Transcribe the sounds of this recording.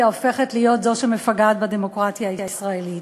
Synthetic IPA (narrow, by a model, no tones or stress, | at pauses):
aofe̞χetlijo̞tzo̞ʃemefaɡad̪bad̪emo̞kʁatjaːisʁaelit